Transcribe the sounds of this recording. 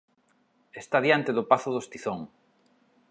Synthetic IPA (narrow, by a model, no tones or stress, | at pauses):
est̪aðjant̪eðʊpaθʊðost̪iθoŋ